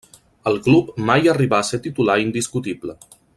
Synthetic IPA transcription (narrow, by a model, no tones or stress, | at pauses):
əlˠklupmajəriβaːset̪it̪ulaind̪iskut̪iplə